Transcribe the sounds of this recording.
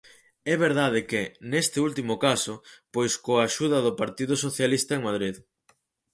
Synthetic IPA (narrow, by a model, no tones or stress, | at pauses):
ɛβ̞eɾðað̞ɪkɪnest̪ɪult̪imʊkasʊpojskoaʃuðɐðʊpaɾt̪iðʊsoθjalist̪aeŋmaðɾið